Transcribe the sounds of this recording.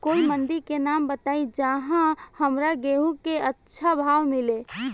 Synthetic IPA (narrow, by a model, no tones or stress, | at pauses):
koːimənd̪iɾkenaːmbət̪aːid͡ʒaɦãhəmɾaɡeɦukeətːʃʰabʱawmile